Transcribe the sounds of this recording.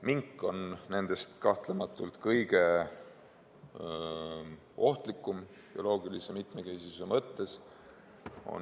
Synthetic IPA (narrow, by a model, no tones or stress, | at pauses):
miŋkːˑo̞nne̞nd̪̥e̞st̪kɑht̪lemɑt̪ːˑult̪ˑkɤjɡ̥e̞ | ʔo̞ht̪likːˑum | pio̞lo̞ːɡ̥ilisemit̪ˑme̞kejsisusemɤt̪ːe̞s | o̞̰n